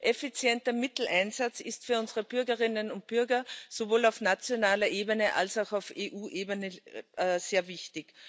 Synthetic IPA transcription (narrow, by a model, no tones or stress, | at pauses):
ʔɛfit͡sjɛntɐmɪtl̩ʔaɪnzat͡sɪstfyːɐʊnzəʁəb̥ʏɐɡəʁɪnənʊnt̚b̥ʏɐɡɐsovoːlaʊfnat͡sjonaːlɐʔeːbənəʔa̰lsaʊxaʊfeːʔuːʔeːbənəʔz̥eːɐvɪçtɪk